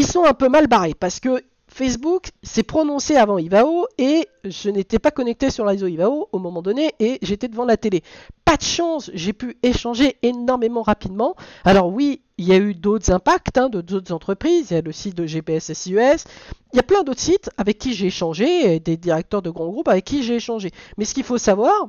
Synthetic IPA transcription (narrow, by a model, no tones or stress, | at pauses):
ilsɔ̃ɛ̃pømalbaʁepaʁsə̥kə | fɛsbuksɛpχɔnɔ̃seavɑ̃ivaoeʒ̥ənet̪ɛpakɔnɛk̚t̪esyʁlezoivaoomɔ̃mɑ̃d̪ɔneʔeʒet̪ɛd̪əvɑ̃lat̪elepad̪əʃɑ̃sʒepyeʃɑ̃ʒeenɔʁmemɑ̃ʁapid̪mɑ̃alɔʁwi | iljayd̪ot̪χzɛ̃pakt̪ɛ̃d̪od̪ot̪χzɑ̃t̪χəpχizjaləsit̪̚d̪əʒepeɛsɛsyɛsiljaplɛ̃d̪ot̪χə̥sit̪avɛkʲːiʒeːʃɑ̃ʒed̪ed̪iʁɛk̚t̪œʁd̪əɡʁɑ̃ɡʁupavɛkʲːiʒeːʃɑ̃ʒemɛsə̥kʲilfosavwaːʁ